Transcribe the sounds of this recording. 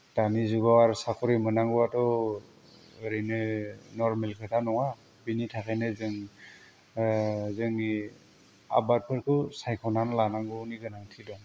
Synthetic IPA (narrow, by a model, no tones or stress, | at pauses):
d̥anizuɡawaɾsakʰɔɾimɯnaŋɡɔwatɔ | ɯɾinɯnɔɾmelkʰɯtʰanɔŋa | binitʰakʰenɯzɯŋ | zɯŋi | a̰bat̚pʰɯɾkʰɯsajkʰɔnanlanaŋɡɯniɡɯnaŋtʰidɔŋ